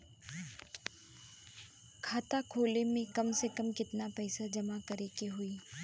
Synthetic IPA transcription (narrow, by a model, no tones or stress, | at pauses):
kʰaːt̪akʰoːlemẽkɐmsekəmkɪt̪napɛːsad͡ʒɐmakɐɾekeɦʊiː